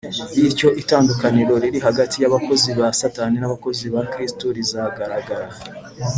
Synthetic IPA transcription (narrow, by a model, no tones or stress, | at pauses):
jiɾco̞ʔitaːndukaniɾo̞ɾiɾiɦaɡatʰijaβako̞ziβasataninaβako̞ziβakɾistoɾizaɡaɾaɡaɾa